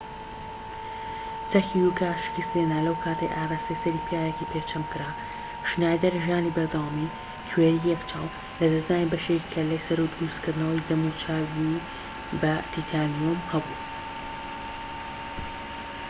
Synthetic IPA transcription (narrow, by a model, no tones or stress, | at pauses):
t͡sɐxijukaːʃɨ̥kɨst̪enalɐwkʰaːt̪ʰɐjʔaːraːst̪ɐjsɐɾiːpʰijaːjekipʰeːt͡ʃʰɐmkɨɾaː | ʃnaːjd̪ɐɾʒiaːnibɐɾd̪ɐwaːmi | t͡ʃweːɾijɛkt͡ʃʰaːw | lɐd̪ɐznaːnibɐʃekikʰɐlɐjsɐɾud̪ɾuːskɨɾd̪nɐwɐjd̪ɐmut͡ʃʰaːwi | bɐt̪ʰit̪ʰaːnijomhɐbuː